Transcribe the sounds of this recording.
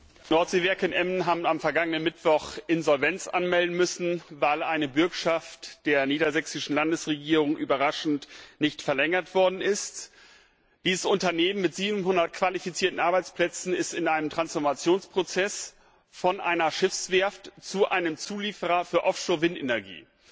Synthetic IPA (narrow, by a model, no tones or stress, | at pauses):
nɔɐtz̥eːvɛɐkənʔɛmnɦaːbm̩amfɛɐɡaŋənənmɪtv̥ɔχʔɪnzɔlvɛnt͡sʔa̰nmɛldn̩mʏsn̩vaɪlʔaɪnəbʏɐkʃaftd̥eːɐniːdɐzɛksɪʃn̩landəsʁeɡiːʁʊŋʔyːbɐʁaʃn̩tnɪçtfɛɐlɛŋɐtv̥ɔɐdn̩ɪst | d̥iːzəsʊntɐneːmənmɪtz̥iːbm̩ɦʊndɐt̚kv̥alifit͡siːɐtn̩ʔaɐbaɪt͡spʰlɛt͡sn̩ɪstɪnʔaɪnəmtʁ̥ansfɔɐmat͡sjoːnspʁ̥ot͡sɛs | fɔnʔa̰ɪnɐʃɪfsv̥ɛɐftt͡suʔa̰ɪnəmt͡suːliːfəʁɐfyːɐʔɔfʃoːɐvɪntʔenɛɐɡḭː